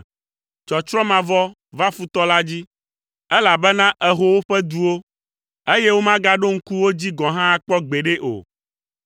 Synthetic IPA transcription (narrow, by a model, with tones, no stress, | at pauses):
t͡ʃɔ˨t͡ʃɾɔ̃˦mã˨vɔ˦ | va˦fu˦t̪ɔ˦la˦d͡ʑi˦ | ɛ˦la˨bɛ˦nã˦ʔɛ˨ɦo˦wo˦ɸɛ˦d̪u˨wo˦ | e˦je˦wo˦mã˦ɡa˦ɖo˦ŋ̩˦ku˦wo˦d͡ʑi˦ɡɔ̃˨ɦã˦k͡pɔ˦ɡ͡be˨ɖe˦ʔo̰˨